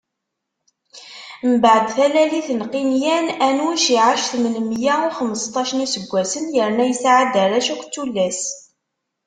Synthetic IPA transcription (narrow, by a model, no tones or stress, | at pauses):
məbaʕəd̪θælæliθnqinjænænuwæʃiʕaʃθmənmjæʊχəməst̪ˤːɑʃənisəɡʷːæsənjəɾnæjəsʕad̪əɾˤæʃækʷːt͡sːulːæs